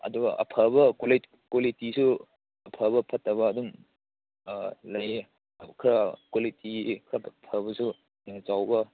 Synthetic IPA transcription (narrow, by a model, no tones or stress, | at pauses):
ɐ̰duɡɐʔɐ̰pʰɐbɐkwoli | kwolitisu | ɐpʰɐbɐpʰɐtːɐβɐːdum | lɐj | kʰɾɐkwolitikʰɾɐpʰɐbɐsu | t͡ʃawbɐ